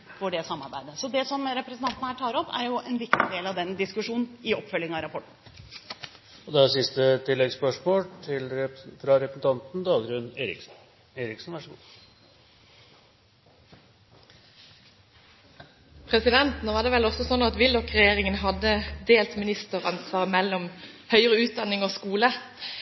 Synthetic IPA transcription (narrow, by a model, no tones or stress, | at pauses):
fɔɖɛsɑmːɑɾbæɪd̪əsɔd̪ɛsɔmɾɛpɾəsnt̪ɑnt̪ənəhæːʈʰɑːɾɔpːæ̰ɾjʊʔɛnʋɪkt̪ɪd̪eːlɑʋd̪ɛnd̪ɪskʉʂuːnn̩ɪɔpːfœljɪŋɑʋɾɑpʰɔʈɳ̩ | ɔd̪ɛæsɪst̪ət̪ʰɪlːɛɡspœʂmoːlt̪ʰɪlfɾɑɾɛpɾsn̩t̪ʰɑnt̪n̩d̪ɑːɡɾʉneːɾɪk | eːɾɪksnʋæʂəɡuː | pʰʁɛsɪd̪ɛnt̪noːʋɑːd̪ɛːʋɛlɔfsɔsɔnɑt̪ʋɪld̪ɔkʁɛjeːʁɪŋənɦɑd̪əd̪eːlt̪mɪnɪst̪əʁɑnsʋɑːʁmɛlːɔm | hœʏəʁəʉːt̪̚d̪ɑnːɪŋoːskuːlə